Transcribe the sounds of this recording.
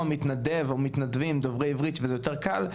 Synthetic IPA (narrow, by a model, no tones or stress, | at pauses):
omit̪nad̪evomit̪nad̪vimd̪ovʁejivʁit̪vejot̪eʁkal